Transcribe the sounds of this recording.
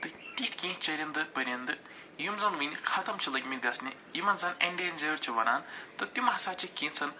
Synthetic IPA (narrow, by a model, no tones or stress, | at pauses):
t̪ɨt̪it̪ʰʲkĩːt͡ʃɐɾʲɐnd̪ɨpɐɾʲɐnd̪ɨ | jumzɐnʋɨnʲixʰɐt̪ɐmt͡ʃʰilɐɡʲmʲiɡʲɐsnʲḭjimɐnzɐnḛɳɖeːnʲd͡ʒɐɾt͡ʃʰiʋɐna̰ːnt̪ɨt̪imɐɦsaːt͡ʃʰikĩːnsɐn